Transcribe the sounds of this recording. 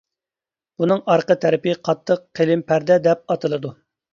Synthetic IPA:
unɨŋɑɾqət̪ʰɛɾɪpɪqʰɑt̪ʰːəqʰːelɪmpʰæɾd̪ɛd̪ɛp̚ɑt̪ɨlˠɨd̪u

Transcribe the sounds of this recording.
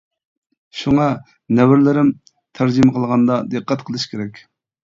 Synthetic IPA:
ʃuŋɑ | nɛwɪɾlɪɾɪm | t̪ʰæɾd͡ʒimɨqʰəlˠʁɑnd̪ɑd̪ɨqʰːɛt̪qʰəlˠɨʃkʲʰeɾɛkʲ

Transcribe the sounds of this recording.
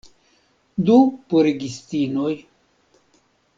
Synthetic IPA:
d̪upuɾeɡist̪inoj

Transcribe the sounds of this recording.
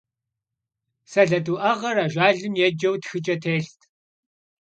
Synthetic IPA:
sɐɮɐduːʔɐʁɐɾaːʒʷaːɮɨmjɛd͡ʒɐwtxɨt͡ʃʼɐtʰeːɬtʰ

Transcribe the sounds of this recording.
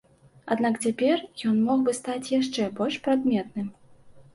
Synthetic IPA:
ad̪nakt͡sʲapʲɛrjɔnmɔxbɨst̪at͡sʲjaʂt͡ʂɛbɔlʲʂpɾad̪mʲɛt̪nɨm

